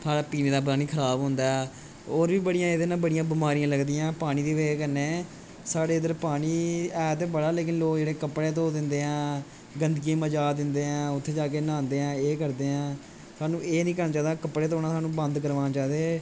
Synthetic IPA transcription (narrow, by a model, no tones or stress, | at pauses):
sʰaːɽaːpiːneːd̪aːb̬ɾaːniːkʰəɾaːbɦʊ̃nd̪aːɛː | oːɾʋiːbəɽijãːed̪eːnãːbəɽɪjãːbɪmaːɾijãːləɡd̪iːãːpaːñiːd̪iːʋeːkəɾneː | saːɽeːɪd̪əɾpaːɽiːɛːt̪ebəɽaːleːkɪnloːkd͡ʒeːɽeːkəpːɽeːt̪̬oːd̪ɪ̃nd̪eːãː | ɡənd̪ɡiẽːməd͡ʒaːd̪ɪnd̪eːãːʊt̪ʰːeːd͡ʒaːkeːnãːnd̪eːãːeːkəɾd̪eːãː | saːnũːeːnĩːkəɾnaːt͡ʃaːd̪aːkəpːɽeːt̪oːnãːsaːnũːbə̃nd̪kəɾʋaːnaːt͡ʃaːd̪eː